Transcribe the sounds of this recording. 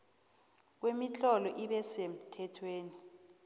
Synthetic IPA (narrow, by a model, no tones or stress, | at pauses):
k̬wemit͡ɬɔlɔʔiɓɛsem̩tʰɛtʰweːni